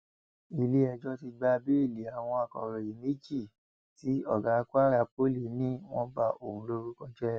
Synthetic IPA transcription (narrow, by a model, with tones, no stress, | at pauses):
i˨le˧˦ɛ˧d͡ʒɔ˦ti˧ɡ͡ba˧bi˦i˦˨li˨˦a˨w̃ɔ̃˧a˨kɔ̰˨ɾɔ˨i˨me˦d͡ʒi˦˨ | ti˨˦ɔ˦˨ɡa˨˦kwa˦ɾa˧˦po˦li˨nĩ˦w̃ɔ̃˦ba˧˨o˨hũ˨˦lo˧ɾu˧kɔ̃˧d͡ʒɛ˦˨